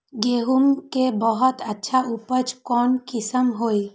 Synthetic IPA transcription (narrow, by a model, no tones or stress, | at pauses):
ɡeɦumkebɔɦɔt̪ətːʃʰaʔupət͡ʃkɔːnkɪsəmɦoi